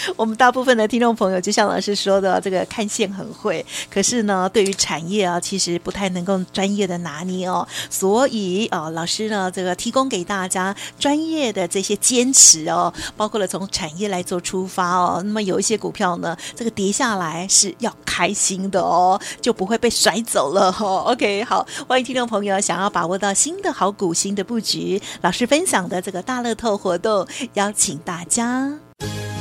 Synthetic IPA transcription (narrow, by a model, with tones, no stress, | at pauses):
wɔ˨˩mə˦nt̪a˥˧pu˥˩fə˩nd̪ə˩t̪ʰi˥ŋʈ͡ʂʊ˥˩ŋpʰɤ˧˥ŋjʊt͡ɕjo˥˧ʊɕjɑ˥˩ŋlʔɑ̰˨˩ʊʂɻ̩˥˧ʂwɔ˥d̪ə˨˩ʈ͡ʂɤ˥˩ɡə˩kʰa˥˧nɕjɛ˥˩nxə̰˨˩nxwe˥˩ɪkʰɤ˨˩ʂɻ̩˥˩nə˩t̪we˥˩ɪy˧˥ʈ͡ʂʰa˨˩njɛ˥˩ɐ˩t͡ɕʰi˧˥ʂɻ̩˧˥pu˧˥t̪ʰa˥˩ɪnɤ˧˥ŋko˥˩ʊʈ͡ʂwa˥njɛ˥˩d̪ə˩na˧˥ni˧˥˩ɐ˧˩swɔ˧˥i˨˩ə˧lɑ˨˩ʊʂɻ̩˥nə˧ʈ͡ʂɤ˥˩ɡə˩t̪ʰi˧˥kʊ˥ŋke˨˩ɪt̪a˥˩t͡ɕja˥ʈ͡ʂwa˥njɛ˥˩d̪ə˩ʈ͡ʂɤ˥˩ɕjɛ˥t͡ɕjɛ˥nʈ͡ʂʰɻ̩˧˥ɐ˧pɑ˥ʊkʰwɔ˥˩lə˨˩t͡sʰʊ˧˥ŋʈ͡ʂʰa˨˩njɛ˥˩la˧˥ɪt͡swɔ˥˩ʈ͡ʂʰu˥fa˥ɔ̰˧na˥˩mə˩jo˨˩ʊi˥˩ɕjɛ˥ku˨˩pʰjɑ˥˩ʊnə˩ʈ͡ʂɤ˥˩ɡə˩t̪jɛ˧˥ɕja˥˩la˧˥ɪʂɻ̩˥˧jɑ˥˩ʊkʰa˥ɪɕi˥ŋd̪ə̰˧ɔ˧˩t͡ɕjo˥˩ʊpu˧˥xwe˥˧ɪpe˥˩ɪswa˧˥ɪt͡so˨˩ʊlə˦ɔ˥˩o˧ʊkʰe˥ɪxɑ˨˩˦ʊxwa˥ni˧˥t̪ʰi˥ʈ͡ʂo˥˩ŋpʰɤ˧˥ŋjo˧˩ʊɕjɑ˨˩ŋjɑ˥˩ʊpa˨˩wɔ˥˧t̪ɑ˥˩ʊɕi˥nd̪ə˨xɑ˧˥ʊku˨˩ɕi˧˥ŋd̪ə˧pu˥˩t͡ɕy˧˥˦lɑ˨ʊʂɻ̩˥˧fə˥nɕjɑ˨˩ŋd̪ə˦ʈ͡ʂɤ˥˩ɡə˩t̪a˥˧lɤ˥˧t̪ʰo˥˩ʊxwɔ˧˥t̪ʊ˥˩ŋjɑ˥ʊt͡ɕʰi˨˩ŋt̪a˥˩t͡ɕja˥